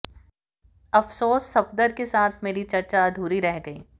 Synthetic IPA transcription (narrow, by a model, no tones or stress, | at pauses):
ɐfsoːsːɐfd̪əɾkesaːt̪ʰmeːɾit͡ʃɐɾt͡ʃad̪ʱuːɾiɾɛɦɡɐḭː